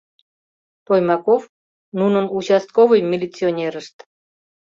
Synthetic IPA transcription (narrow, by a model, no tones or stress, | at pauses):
pojmɑkof | nunənut͡ɕɑst̪̚kovɨjmʲilʲit͡sionʲeɾəʃt̪